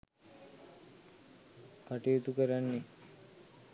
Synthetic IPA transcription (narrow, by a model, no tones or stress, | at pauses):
kaʈijut̪ukəɾanːe